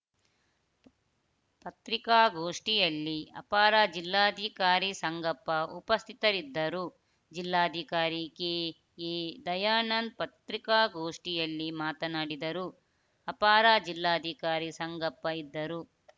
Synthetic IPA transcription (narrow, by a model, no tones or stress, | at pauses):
pɐt̪ɾikaːɡoːʂʈijɐlːiɐ̰paːɾaːd͡ʒilːaːd̪ʱikaːɾisɐŋɡɐpːɐupɐst̪ʰit̪ɐɾid̪ːɐɾu | d͡ʒilːaːɐd̪ʱikaːɾike | eːd̪ɐjaːnɐnd̪̚pɐt̪ɾikaːɡoːʂʈijɐlːimaːt̪ɐnaːɽid̪ɐɾu | ɐpaːɾaːd͡ʒilːaːd̪ʱikaːɾisɐŋɡɐpːɐid̪ːɐɾu